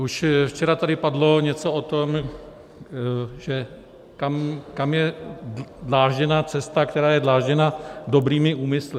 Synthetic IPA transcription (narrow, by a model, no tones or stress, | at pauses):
uʃft͡ʃɛɾat̪adɪpadlo̞ɲɛt͡so̞ot̪om | ʒ̥ɛ | kamkamjɛ | dlaːʒɛnaːt͡sɛst̪ak̚t̪ɛɾaːjɛdlaːʒɲɛnado̞bɾiːmɪʔuːmɪslɪ